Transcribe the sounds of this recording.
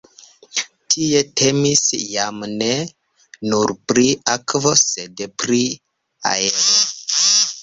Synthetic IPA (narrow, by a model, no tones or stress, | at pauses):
tʰie̞tʰe̞misjamne̞ | nuɾpɾiakvose̞dpɾi | a̰eɾo